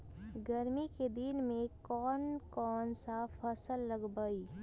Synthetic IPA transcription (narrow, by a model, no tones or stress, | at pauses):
ɡɐɾmiked̪ɪnmẽkɔːnkɔːnsafʰɐsəlːɐɡbəiː